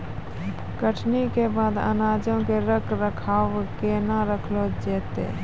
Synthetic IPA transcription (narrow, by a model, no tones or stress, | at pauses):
kəʈʰnikebaːd̪ə̰naːd͡ʒõkeɾəkɾəkʰaːʋkenaɾəkʰloːd͡ʒeːt̪ḛː